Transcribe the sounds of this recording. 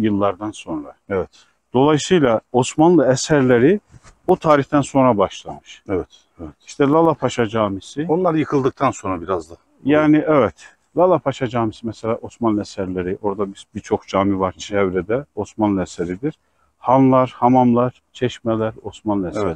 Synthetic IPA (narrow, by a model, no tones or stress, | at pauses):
jɯlˠːaɾd̪anso̞nɾaɛvɛt̪ | d̪̥o̞lˠajsɯjlˠao̞smanlˠɯɛsæɾlʲeɾiut̪ʰaːɾiçt̪ænso̞nɾabaʃlˠamɯʃɛvɛt̪ | iʃt̪ʰɛlˠalˠapʰaʃad͡ʒaːmisionlˠaɾɯjɯkʰɯlˠd̪ɯk̚t̪ʰanso̞nɾabiɾazd̪a | jaːniʔɛvɛt̪ | lˠalˠapʰaʃad͡ʒaːmisimɛsɛlʲaːʔo̞smanlˠɯɛsæɾlʲeɾiʔo̞ɾd̪abibiɾt͡ʃʰo̞xd͡ʒaːmivaɾt͡ʃʰɛvɾɛd̪ɛo̞smanlˠɯɛsɛɾid̪iɾ̥ | hanlˠaɾhamamlˠaɾ̥t͡ʃʰɛʃmɛlʲæɾo̞smanlˠɯɛs